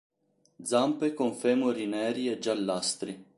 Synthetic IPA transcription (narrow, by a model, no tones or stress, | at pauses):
d̪zampekoɱfemoɾinɛːɾied͡ʒalːast̪ɾi